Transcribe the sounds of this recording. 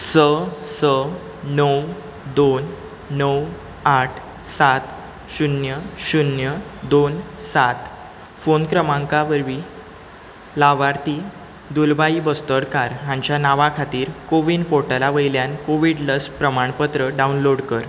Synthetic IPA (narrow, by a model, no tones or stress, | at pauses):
səsə | nəw | d̪onː | əw | aʈʰ | sat̪ | ɕunjəɕunjəd̪onsat̪ | fonkɾəmãŋkaʋəɾʋiː | laʋaɾt̪iː | d̪ulbaibəst̪əɽkaɾɦãɲt͡ɕjanaʋakʰat̪iːɾkoʋiːnpoɾʈəlaʋəjljankoʋiɽləspɾəmaɳpət̪ɾəɖaunloɽkəɾ